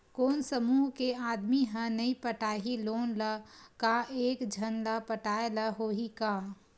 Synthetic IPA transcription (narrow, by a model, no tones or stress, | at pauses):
koːnsəmuːɦkeaːd̪miɦə̃nɐipəʈaːɦiloːnləkaeːkd͡ʒʱɐnlapəʈaːeləɦoːɦika